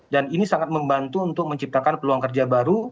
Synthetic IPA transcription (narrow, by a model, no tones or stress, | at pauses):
daninisaŋat̪̚məmbant̪uːnt̪ʊk̚məɲt͡ʃip̚t̪akanpəluaŋkərd͡ʒabaɾu